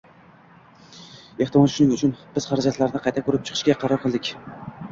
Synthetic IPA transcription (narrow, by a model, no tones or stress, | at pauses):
e̞ht̪ɪmɒlˠʃʊnɪŋʊt͡ʃʰʊnb̥ɪz̥χaɾad͡ʒat̪laɾɪnɪqʰɑjt̪ʰakʰɵɾɪp̚t͡ʃʰɨ̥qʰɨ̥ʃkʲaqʰɑɾɒɾqʰɨlˠd̪ɪkʲ